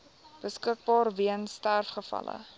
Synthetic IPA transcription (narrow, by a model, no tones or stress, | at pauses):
b̥əskək̚bɑːrviənstærfχəfɐ̰lə̰